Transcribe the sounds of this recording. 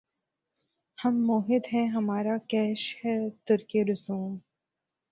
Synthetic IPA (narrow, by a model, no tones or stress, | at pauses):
hɐmːoːɦɪd̪ɦɛ̃ɦɐmaːɾakɛːʃhɛt̪ʊɾkeɾʊsuːm